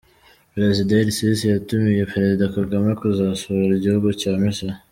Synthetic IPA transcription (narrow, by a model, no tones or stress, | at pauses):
pɾezidaɾisisijatumije̞pɾezid̪akaɡamakuzasoβɾiɟihuɡucaːmisa